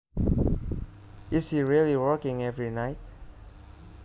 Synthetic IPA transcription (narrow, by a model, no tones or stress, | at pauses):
ɪshiɹiliwɔkɪ̃ŋɛvɹinaɪt̚